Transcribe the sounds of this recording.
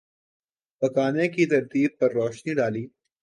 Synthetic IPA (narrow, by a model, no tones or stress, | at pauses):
pɐkaːnẽkit̪ɐɾt̪iːb̚pɐɾːɔːʃniɖaːliː